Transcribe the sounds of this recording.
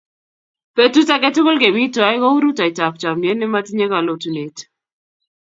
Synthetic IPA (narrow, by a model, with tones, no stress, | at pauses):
pe˦tu˦ta˦ke˦tʊ˦ko˦lke˨bi˦twa˨˦jkɔ˦u˦ɾu˦ta˨i˨ta˨p̚t͡ʃa˨me˦nɪ˦ma˦ti˦ɲe˦ka˨lo˨tu˨ne˨t